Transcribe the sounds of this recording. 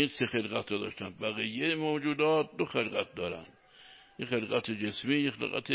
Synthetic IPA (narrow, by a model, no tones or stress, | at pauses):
insexelɣæt̪ɾɔd̪ɒ̰ːʃt̪ænbæɣijːejemoːd͡ʒuːd̪ɒːt̪̚d̪oxelɡæt̪̚d̪ɒːɾæ̰nd̪ | jexelɡæt̪ʰed͡ʒesmiːjexelɣæ̰t̪ʰe